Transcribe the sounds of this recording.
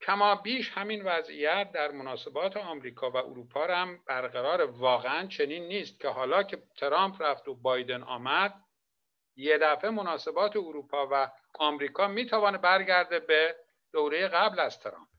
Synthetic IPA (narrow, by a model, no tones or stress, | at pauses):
cʰæmɒːbiːʃhæminvæzḭjæt̪̚ʰd̪æɾmonɒːse̞bɒːt̪ʰeɒːmɾiːkʰɒːvæʔo̰ɾuːpʰɒːɾæmb̥æɾɣæɾɒːɾevɒːɣeænt͡ʃʰe̞niːnːiːst̪̚cʰe̞hɒːlɒːcʰe̞t̪ʰeɾɒːmpʰræft̪obɒːjd̪e̞nɒ̰ːmæd̪̚ | je̞d̪æfe̞monɒːse̞bɒːt̪ʰeoɾuːpʰɒːvæ | ɒːmɾiːkʰɒːmiːt̪ʰævɒːnebæɾɟæɾd̪ebe | d̪̥owɾe̞jeɣæblæz̥t̪ʰeɾɒ̰ːmp̚